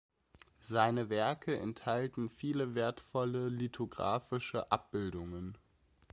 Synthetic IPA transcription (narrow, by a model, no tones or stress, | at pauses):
zaɪnəvɛɐkʰəʔɛ̰nthaltn̩fiːləveːɐtfɔləlitʰoɡʁa̰ːfɪʃəʔap̚b̥ɪldʊŋən